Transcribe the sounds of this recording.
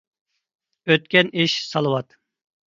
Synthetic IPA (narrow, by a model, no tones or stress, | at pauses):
øt̪̚kʲɛniʃsɑlˠɨwɑt̪